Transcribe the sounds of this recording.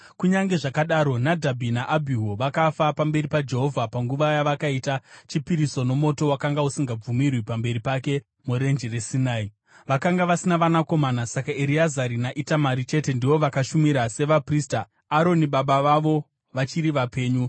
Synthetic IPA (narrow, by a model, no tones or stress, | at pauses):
kuɲaŋɡe̞ʐakaɗaːɾo̞nadʱabʱinaʔabʱiɦo̞ʋakafapambe̞ɾipad͡ʒe̞ɦo̞vʱapaŋɡuʋajaʋakaitat͡ʃipiɾiso̞no̞mo̞to̞wakaŋɡausiŋɡab͡vumirwipambe̞ɾipake̞ | muɾe̞nd͡ʒere̞sinaːi | ʋakaŋɡaʋasinaʋanako̞manasakaeɾiazaɾinaʔitamaɾit͡ʃe̞te̞ndiʋo̞ʋakaʃumiɾase̞ʋaprista | aɾo̞niɓaɓaʋaʋo̞ | ʋat͡ʃiɾiʋape̞ːɲu